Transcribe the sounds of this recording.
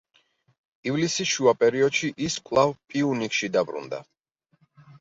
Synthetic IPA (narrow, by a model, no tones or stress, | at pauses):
ivlisisʃuapʼɛɾiɔd̪ʃiʔiskʷʼlˠavpʼiunikʼʃid̪abɾṵnd̪a̰